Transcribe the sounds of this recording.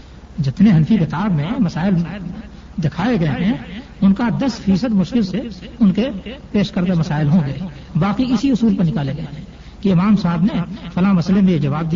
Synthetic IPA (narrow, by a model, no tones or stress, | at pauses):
d͡ʒɪt̪neɦɐnfikɪt̪aːbmẽmɐsaːɪl | d̪ɪkʰaːeɡɐeɦɛ̃ | ʊnkad̪ɐsfʰiːsəd̪mʊʃkɪlseʊnkepeːʃkəɾd̪emɐsaːɪlɦõɡəe | baːqiɪsiʊsuːlpɐɾnɪkaːleɡɐeɦɛ̃ | kiɪmaːmsaɦbnefɐlamɐslemẽjed͡ʒɐʋaːb̚d̪i